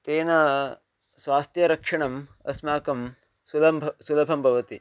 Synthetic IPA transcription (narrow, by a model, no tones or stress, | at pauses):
t̪eːnɐ | sʋaːst̪jɐɾɐkʂɐɳɐmɐ̰smaːkɐm | sulɐmbʱsulɐbʰʱɐmbʱɐʋɐt̪i